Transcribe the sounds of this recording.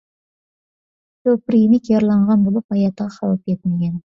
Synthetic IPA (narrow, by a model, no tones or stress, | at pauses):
t͡ʃ̪ɵpəɾimikjɑɾlˠɑɴʁɑnbolˠəpɑjɑt̪əʁɑqʰɑwəp̚ʰe̞t̪ɪŋɡʲen